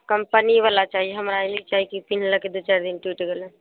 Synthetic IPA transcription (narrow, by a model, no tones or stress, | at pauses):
kəmpəniʋalat͡ʃaːɦieɦəmɾalit͡ʃaɦikipin̤ləked̪ut͡ʃaɾd̪inʈwiːʈɡelẽ